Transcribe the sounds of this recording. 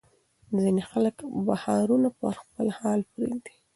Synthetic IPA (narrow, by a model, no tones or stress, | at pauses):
zinexaləkbahɑɾunapə̰ɾxpəlhɑlpɾḛd̪i̥